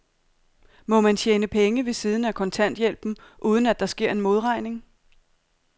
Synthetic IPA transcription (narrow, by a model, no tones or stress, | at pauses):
mɒ̽mænɕʰeːnəpʰeŋəʋe̝siːð̞ˠn̩ækʰɒ̽nt͡sʰæn̰d̥jel̰b̥m̩ʔuːð̞ˠn̩æd̥ɑ̈sɡ̥e̝ɐ̰e̝nmo̝ð̞ˠʁɑ̈ɪ̰ne̝ŋ